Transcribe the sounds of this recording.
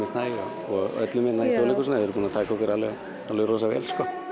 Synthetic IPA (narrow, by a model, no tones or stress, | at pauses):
ɪst̪naa̰ | ɔœ̰t̪lʏmɪt̪nait̪olɪkʏsnaɛɾpuːnat̪ʰaːjkaɔkʏɾalɛ | alœɾɔsavɛ̰lskɔ